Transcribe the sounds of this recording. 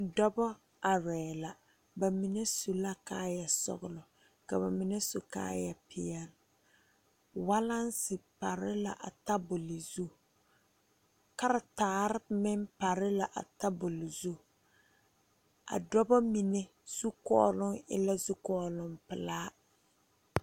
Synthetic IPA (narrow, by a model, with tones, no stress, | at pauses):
dɔ˦bɔ˦ | a˨ɾɛː˨la˨ | ba˨mi˨ne˦su˨la˦kaː˦ja˨sʊ̰˨ɣʊ˨lʊ˨ | ka˨βa˨mi˨ne˦so˨ka̰ː˦ja˨pɪ˦jɛ˦l | wa˦la˦nsɪ˨pa˨ɾɪ˦la̰˨ʔa̰˨ta˦bʊ˨lɪ˨zu˦˨ | ka˦ɾa˨taː˨˦ɾɪ˦mɪ˦mpa˨ɾɪ˦la˨ʔa̰˨ta˦bʊ˨lɪ˨zu˦ | a̰˨dɔ˦ba˦mi˨ne˦ | z̥u˦kɔ̰ː˦lʊ˦ŋɪ̰˦la˦zu˦kɔː˦lʊ˦mpɪ˨laː˦